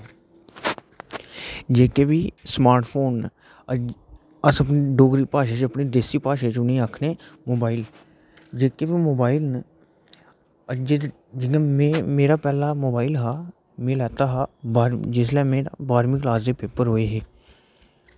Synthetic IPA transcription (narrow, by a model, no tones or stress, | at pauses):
d͡ʒeːkeːʋiːsmaːɾʈpʰoːn | əsəp̬niːɖoːɡɾiːpaːʃeːt͡ʃəpniːd̪eːsiːpaːʃeːt͡ʃʊnĩːakʰneːmoːbaːɪl | d͡ʒeːkeːʋiːmoːbaːɪln | əd͡ʒ | d͡ʒɪãmɛ̃ːmeːɾaːpɛːlaːmoːbaːɪlɦaː | mẽːlɛːt̪aːɦaːbːd͡ʒɪslɛːmeːɾa̰baːɾmɪklaːzeːpeːpəɾɦoːeːɦeː